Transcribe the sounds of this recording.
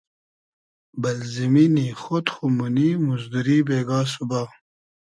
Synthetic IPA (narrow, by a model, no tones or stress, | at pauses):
bɐlziminiːxot̪xumunimuzd̪uɾiːbeːɡaːs̬ubaː